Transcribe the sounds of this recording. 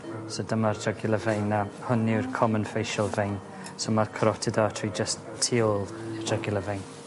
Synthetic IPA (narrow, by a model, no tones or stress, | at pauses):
sodəmardʰəɡɪlˠəvejnahʊnɪwrkʰɔmənfejʃəlˠvejn | somarkʰəɾɔtʰɪdatʰid͡ʒəs | tʰːiːɔlˠd̥ʰəɡɪlˠəvɛn